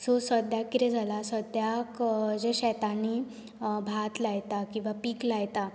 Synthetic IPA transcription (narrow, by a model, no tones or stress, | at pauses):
sosəd̪jakːiɾɛd͡zʱalasəd̪jakd͡ʑeɕɛt̪ani | bʱat̪lajt̪akĩw̃ʋapiːklajt̪a